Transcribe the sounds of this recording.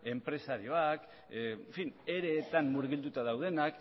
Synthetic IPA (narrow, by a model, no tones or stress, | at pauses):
e̞mpɾe̞saɾio̞ak | efine̞ɾe̞ːt̪anmːuɾɣild̪ut̪aðawð̞e̞nak